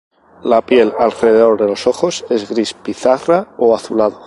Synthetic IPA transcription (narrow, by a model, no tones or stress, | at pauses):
lapje̞lalreðeðo̞ɾðe̞lo̞so̞xo̞se̞zɣɾispiθaraoaθulað̞o